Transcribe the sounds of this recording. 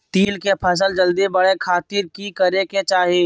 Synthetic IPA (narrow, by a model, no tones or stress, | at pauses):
t̪iːlkepʰɐs̬əld͡ʒəld̪ibɐɽekʰaːt̪ɪɾkikɐɾeket͡ʃaːɦeː